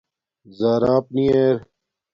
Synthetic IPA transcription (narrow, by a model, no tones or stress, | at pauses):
zaːɾaːp̚nieːɾ